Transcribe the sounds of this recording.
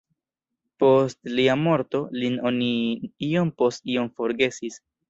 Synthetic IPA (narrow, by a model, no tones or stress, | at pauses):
po̞stliamo̞ɾto̞lino̞niio̞mpo̞stio̞mfo̞ɾɡe̞sis